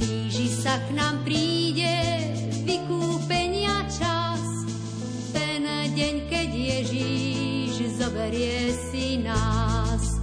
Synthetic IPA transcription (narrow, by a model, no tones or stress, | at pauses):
t̪iːʒiʃsaknaːmpɾiːɟɛ | ʋikuːpɛɲɪat͡ʃa | s | t̪ɛn | ɟɛɲkɛɟjɛʒiʒzɔbɛɾɪjɛsinas